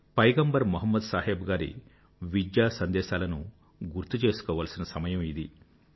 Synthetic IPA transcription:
pɐjɡɐmbɐɾmuɦɐmːɐd̪saːɦeːbɡaːɾḭ | ʋid͡ʒjaːsɐnd̪ɛːʃaːlɐnu | ɡuɾt̪ːut͡ʃe̞ːsu̥kɔːʋaːlsinɐsɐmɐjɐmid̪i

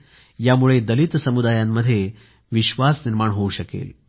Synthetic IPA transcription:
jamuɭed̪əlit̪səmud̪ajamːəd̪ʱːje | ʋiɕʋasniɾmaɳɦouɕəkḛl

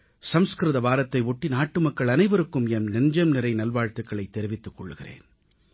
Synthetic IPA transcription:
sɐmskɾɯðɐʋaːɾɐt̪ːɐɪʋɔʈːinaːʈːɯmɐkːɐɭɐnɐɪʋɐɾɯkːɯmɛnnɛnd͡ʒɐmnɪɾɐɪnɐlʋaːɻt̪ɯkːɐɭɐɪt̪ːɛɾɪʋɪt̪ːɯkːɔɭːɯɣɪrḛːn

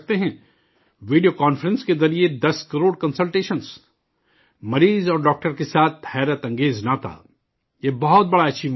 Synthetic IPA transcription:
k̚t̪eɦɛ̃ | ʋiːɖijokaːnfəɾə̃nskezɐɾied̪ɐskɐɾoːɽkɐ̃nsəlʈeːʃə̃ns | mɐɾiːzɔːɾɖɔːk̚ʈəɾkesaːt̪̚ʰhɛːɾət̪ɐ̃ŋɡeːznaːt̪a̰ | jebɐɦɔt̪̚bɐɽaɐtːʃʰi

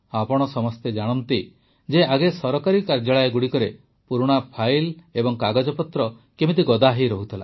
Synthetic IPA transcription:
apɔɽ̃ɔsɔmɔst̪ed͡ʒaɽ̃ɔnt̪i | d͡ʒeaɡesɔɾɔkaɾikaɾd͡ʒaɭaeɡuɽikɔɾe | puɾuɽ̃apʰajlebɔŋkaɡad͡ʒɔpɔt̪ɾɔ | kemit̪̬iɡɔd̪aɦeɾɔɦut̪ʰila

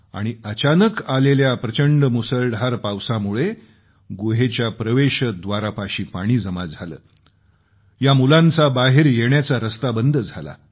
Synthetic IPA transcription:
a̰ɽ̃iət͡ɕanəkaleljapɾət͡ɕəɳɖəmusəlɖʱaɾpawsamuɭe | ɡoɦet͡ɕjapɾəʋeɕəd̪ʋaɾapaɕiːpaɽ̃iːd͡zəmad͡zʱalə̰ː | jamulãnt͡sabaɦeɾjeɳjat͡saɾəst̪abənd̪ʱəd͡zʱala̰

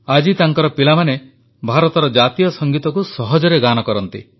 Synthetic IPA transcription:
ad͡ʒit̪aŋkɔɾɔpilamane | bʱaɾɔt̪ɔɾɔd͡ʒat̪ijɔsɔŋɡit̪ɔkusɔɦɔd͡ʒɔɾeɡanɔkɔɾɔnt̪ḭ

